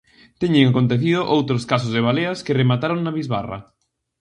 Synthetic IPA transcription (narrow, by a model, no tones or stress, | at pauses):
t̪ɛɲeŋakõnt̪̬eθið̞ʊʔowt̪ɾoskas̬ozðeβ̞aleɐskɪremat̪aɾoŋnaβizβa̰rɐ̰